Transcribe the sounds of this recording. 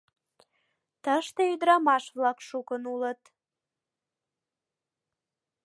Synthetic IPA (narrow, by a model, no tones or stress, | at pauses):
t̪əʃt̪eyd̪əɾɑmɑʃβlɑkʃukənulət̪